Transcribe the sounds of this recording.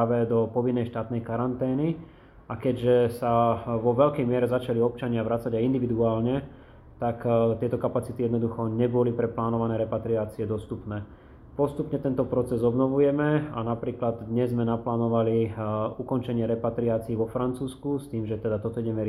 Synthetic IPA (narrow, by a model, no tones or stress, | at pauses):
aʋɛd̪ɔpɔʋinːɛjʃt̪aːt̪nɛjkaɾant̪ɛːni | akɛɟʒɛsaʋɔʋɛʎkɛjmɪɛɾɛzat͡ʃaliɔp̚t͡ʃaɲɪaʋɾat͡saɟajind̪iʋid̪uaːlɲɛ | t̪akt̪ɪɛt̪ɔkapat͡sit̪ijɛd̪nɔd̪uxɔɲɛbɔlipɾɛplaːnɔʋanɛːɾɛpat̪ɾiaːt͡siɛd̪ɔst̪upnɛː | pɔst̪upɲɛt̪ɛnt̪ɔpɾɔt͡sɛzɔbnɔʋujɛmɛanapɾiːklad̪d̪ɲɛzzmɛnaplaːnɔʋaliukɔnt͡ʃɛɲɪɛɾɛpat̪ɾiaːt͡siːʋɔfɾant͡suːskust̪iːmʒɛt̪ɛd̪at̪ɔt̪ɔiɟɛmɛɾ